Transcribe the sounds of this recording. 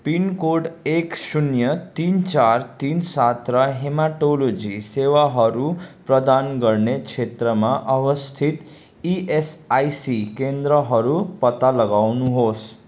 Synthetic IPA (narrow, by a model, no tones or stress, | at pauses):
pinkoɖeksunjʌt̪int͡sart̪insat̪rʌɦemaʈolod͡zisewaɦʌɾuprʌd̪anɡʌrnet͡sʰet̪rʌmaʔʌbʌst̪ʰit̪ | iʔesajsikend̪rʌɦʌɾupʌt̪alʌɡawnuɦos